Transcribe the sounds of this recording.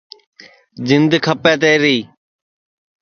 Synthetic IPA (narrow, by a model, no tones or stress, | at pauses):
d͡ʒɪnd̪kʰəpɛːt̪eːɾiː